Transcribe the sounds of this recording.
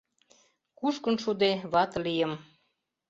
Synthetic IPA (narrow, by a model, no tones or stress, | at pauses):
kuʃkə̆nʃud̪eβɑt̪lijəm